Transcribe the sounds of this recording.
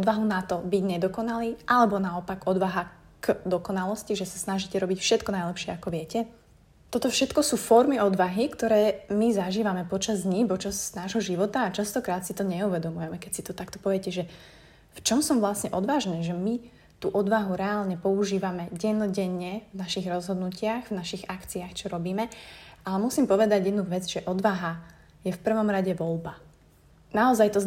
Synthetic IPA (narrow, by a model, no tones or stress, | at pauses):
ɔd̪ʋaɦunat̪ɔbiɟɲɛd̪ɔkɔnaliːʔalɛbɔnaɔpaɡɔd̪ʋaɦa | ɡ̥d̪ɔkɔnalɔsciʒɛsḁsnaʒicɛɾɔbicfʃɛt̪kɔnajlɛpʃɪɛakɔʋɪɛcɛ | t̪ɔt̪ɔfʃɛt̪kɔsuːfɔɾmiɔd̪ʋaɦikt̪ɔɾɛːmizaʒiːʋamɛpɔt͡ʃazd̪ɲipɔt͡ʃaznaːʒɦɔʒiʋɔt̪aːt͡ʃast̪ɔkɾaːt̪sit̪ɔɲɛuʋɛd̪ɔmujɛmɛkɛcsit̪ɔt̪akt̪ɔ̥pɔʋɛɛcɛʒɛ | ft͡ʃɔmsɔmʋlasɲɛʔɔd̪ʋaːʒnɛːʒɛmi | t̪uːʔɔd̪ʋaɦuɾɛaːlɲɛpɔuʒiːʋamɛɟɛnɔɟɛɲːɛvnaʃiɣɾɔzɦɔd̪nucɪaɣvnaʃiɣakt͡siaxt͡ʃɔɾɔbiːmɛʔalɛmusiːmpɔʋɛd̪aɟjɛd̪nuʋɛd͡zʒɛʔɔd̪ʋaɦa | jɛfpr̩ʋɔmɾaɟɛʋɔlba | naɔzajt̪ɔ